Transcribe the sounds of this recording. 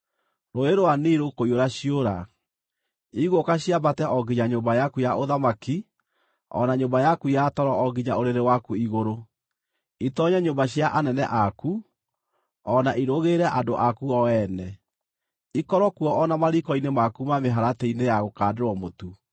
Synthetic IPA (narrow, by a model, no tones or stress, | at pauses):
ɾoeɾoaniːɾokoioɾaɕioɾa | iɣokaɕiabatɛʔɔɡiɲaɲombajakujaʔoðamaki | ɔ̰naɲoːmbajakujatɔɾɔɔɡiɲaoɾeɾewakuiɣoɾo | itɔɲaɲombaɕjaʔanɛnɛʔaku | ɔnaʔiɾoɣeɾɛʔadoʔakuɔɛnɛ | ikɔɾɔkuɔʔːnamaɾikɔinemakumameɦaɾatɛinejaɣokaːdeɾwɔmotu